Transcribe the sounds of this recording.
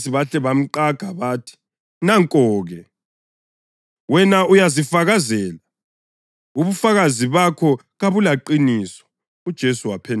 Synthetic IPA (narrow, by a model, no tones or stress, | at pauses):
siβaɬɛβam̩ǃaɡ̥ʱaβaːtʰi̥ | naŋkʼɔːɣɛ | wɛnaujazifaɣazɛːla | uβufaɣaziβakʰɔ | ɣaβulaǃinisɔ̥ | ud̥ʒ̥ʱesuwapʰɛn